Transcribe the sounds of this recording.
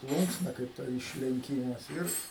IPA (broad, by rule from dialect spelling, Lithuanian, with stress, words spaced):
ˈplˠuːŋksnɐ kɐɪp ˈtɐ ɪʃʲlʲɛŋʲˈkʲiːmɐs ˈɪr